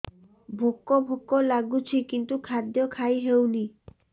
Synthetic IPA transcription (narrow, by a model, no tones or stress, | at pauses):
bʱokːobʱokːolaɡut͡ʃʰikint̪ukʰad̪jɔkʰajɦewni